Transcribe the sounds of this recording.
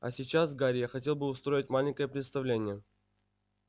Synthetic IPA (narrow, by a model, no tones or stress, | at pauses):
a̰sʲɪt͡ɕasɡaɾʲɪjaxɐtʲelˠbɨʊst̪ɾo̞ɪtʲmalʲɪnʲkəjəpɾʲɪt̪st̪ɐvlʲenʲɪjə